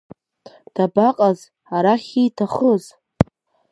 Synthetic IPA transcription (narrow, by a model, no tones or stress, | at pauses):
d̥abaqʼaz | aɾaχʲijtʰaχəz